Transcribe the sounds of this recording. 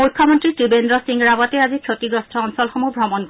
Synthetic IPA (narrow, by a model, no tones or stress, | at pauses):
ukʰːɔmont̪ɾiʈ̪ɾibend̪ɾosiŋɾabat̪eazit͡ɕʰot̪iɡɾost̪ʰɔɔnsɔlxɔmubɾɔmonk